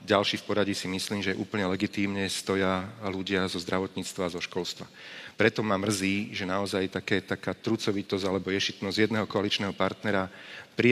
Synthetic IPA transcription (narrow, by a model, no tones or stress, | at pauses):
ɟalʃiːfpɔɾaɟisimisliːmʒɛʔuːpəɲɛlɛɡit̪iːmɲɛst̪ɔjaluɟɪazɔzd̪ɾaʋɔt̪ɲiːt͡st̪ʋaːzɔʃkɔlst̪ʋa | pɾɛt̪ɔmamr̩ziːʒɛnaɔzajt̪akɛːt̪akaːt̪ɾut͡sɔʋit̪ɔzalɛbɔjɛʃit̪nɔzjɛd̪nɛːɦɔkɔalit͡ʃnɛːɦɔpaɾt̪nɛɾapɾi